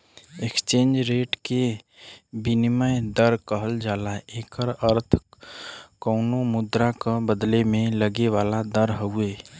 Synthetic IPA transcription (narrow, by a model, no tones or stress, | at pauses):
ekst͡ʃẽːnd͡ʒɾeːʈke | biniməjd̪əɾkəɦəld͡ʒaːlaeːkəɾəɾt̪ʰ | kəːnomʊd̪ɾakabəd̪lemẽləɡeʋaːlad̪əɾɦəueː